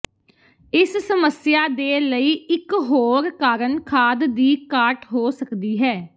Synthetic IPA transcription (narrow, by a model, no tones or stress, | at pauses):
ɪssəməsɪjaːd̪eːləiːɪkɦoːɾkaːɾənkʰaːd̪d̪iːkaːʈɦoːsəkd̪iːɦɛː